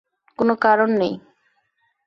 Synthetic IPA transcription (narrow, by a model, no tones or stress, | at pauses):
konokaɾonːej